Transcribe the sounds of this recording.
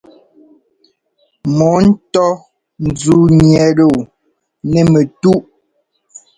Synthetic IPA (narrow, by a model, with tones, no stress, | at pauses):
mɔ˨˦n̩˦tɔ˦ | n̩˨zu˨˦ɲɲɛ˨˦ɾo˨ | nɛ˨me˨tu˦ʔ